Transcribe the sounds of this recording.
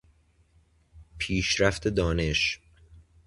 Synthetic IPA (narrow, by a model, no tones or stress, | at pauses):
pʰiːʃɾæft̪ʰe̞d̪ɒːne̞ʃ